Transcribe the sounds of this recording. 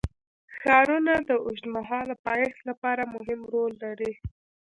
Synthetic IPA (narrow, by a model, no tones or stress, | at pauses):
xɑɾunad̪əʊʒt̪maɦɑlapɑjexlapɑɾamʊɦɪmɾolːaɾi